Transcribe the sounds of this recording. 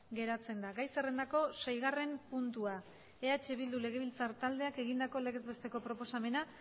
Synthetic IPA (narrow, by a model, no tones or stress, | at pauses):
ɡe̞ɾat͡se̞nd̪aɣajsere̞nd̪ako̞sejɣ̞are̞mpunt̪ua | eat͡ʃeβild̪ule̞ɣ̞e̞βilt͡saɾt̪ald̪e̞ake̞ɣ̞ind̪ako̞le̞ɣe̞zβe̞st̪e̞ko̞pɾo̞po̞same̞na